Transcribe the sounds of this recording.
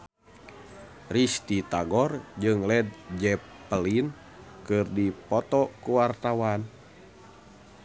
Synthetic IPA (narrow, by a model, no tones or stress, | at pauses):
rist̪it̪aɡɔrd͡ʒɨŋlɛd̪̚d͡ʒɛpː | əlin | kɨrdipɔt̪ɔkuwart̪awan